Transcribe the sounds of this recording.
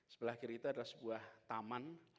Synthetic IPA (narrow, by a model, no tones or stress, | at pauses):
sə̥bəlahkiɾiit̪uadalahsəbuaht̪aman